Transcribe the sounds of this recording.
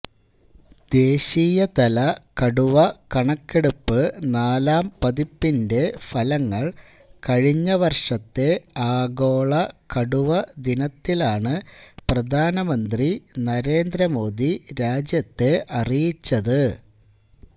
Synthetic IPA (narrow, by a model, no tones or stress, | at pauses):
d̪̥e̞ːɕiːjɐt̪ɐlɐkɐɽuʋɐkɐɳɐkːeɽupːɨnaːlaːmpɐðipːinde̞fɐlɐŋːɐɭ | kɐɻiɲːɐʋɐrʂɐt̪ːe̞aːɡo̞ːɭɐkɐɽuʋɐd̪inɐt̪ːilaːɳɨprɐd̪ʱaːnɐmɐnd̪rinɐɾe̞ːnd̪ɾɐmo̞ːd̪iɾaːd͡ʑjɐt̪ːe̞ʔɐrijit͡ɕːɐðɨ